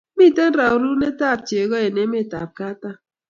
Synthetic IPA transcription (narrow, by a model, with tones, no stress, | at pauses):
mi˦˨te˦n̩˦ɾa˨u˨ɾu˦ne˦ta˦˨p̚te˨ɣɔ˦e˨ne˨˦me˦˨ta˨p̚ka˦ta˦